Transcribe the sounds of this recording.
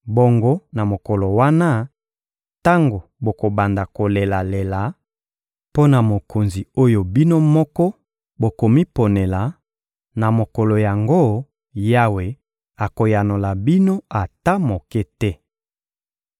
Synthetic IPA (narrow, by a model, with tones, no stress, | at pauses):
bo˨ŋɡo˦na˨mo˨kɔ˨lo˨wa˦na˦ | ta˦ŋɡo˨bo˨ko˨ba˨nda˨ko˨le˨la˨le˨la˨˦ | po˦na˨mo˨ko˨nzi˨o˦jo˨bi˦no˦mɔ˦kɔ˦ | bo˨ko˨mi˦po˨ne˨la˨ | na˨mo˨kɔ˨lo˨ja˨ŋɡo˦ | ja˦we˨ | a˨ko˨ja˨no˨la˨bi˦no˦a˨ta˦mo˨kɛ˦tɛ˦